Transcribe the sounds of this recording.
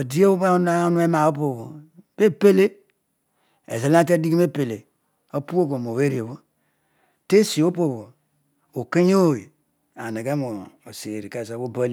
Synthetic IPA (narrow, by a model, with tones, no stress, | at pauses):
o˨di˦e˦o˦n˦nu˦e˦ma˨o˦po˨βo˨be˦pe˦le˦ | ḛ˨ze˦la˦te˦di˦ɡi˦m˦e˦pe˨le˨ | o˦pu˦o˦ko˨m˨o˨we˦ɾi˨o˨βo˦ | te˦si˨o˦po˦˨βo˨ | o˨ke˦ɲ˦o˦˨i˨ | a˨ne˨ɡe˦mo˨o˨se˨ɾi˨ke˨za˦βo˦ba˦l